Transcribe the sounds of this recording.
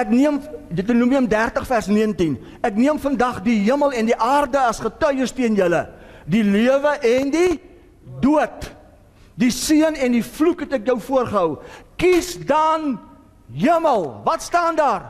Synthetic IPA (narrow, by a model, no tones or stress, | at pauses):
ɛkniəmdətnumiəmdærtəχfærsniəəntin | ækniəmfəndɐχdiɦiəməlˠɛndiʔɑːrdəɐsχətœɥərstiənjələdiliəvəʔɛndi | duət | disiənɛndiflukɦɛtɛkjœwfuərχəɦəwkisdɐn | ɦiəməlˠvɐtstɑːndɑːr